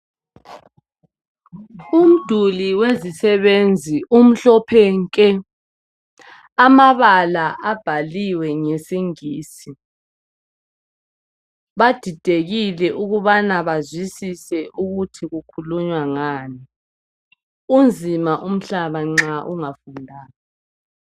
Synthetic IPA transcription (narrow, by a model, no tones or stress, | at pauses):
um̩d̥ʱuliwezisɛβend͡zʱiʔum̩ɬɔpʰɛŋkʼɛ | amaβalaʔab̥ʱaliwɛŋɛsiŋiːsi | βad̥ʱid̥ʱeɣilɛʔuɣuβanaβazwisisɛʔuɣutʰiɣukʰuluɲwaŋaːni | und͡zʱimaʔum̩ɬaβaŋ͡ǁaʔuŋafundʱaːjɔ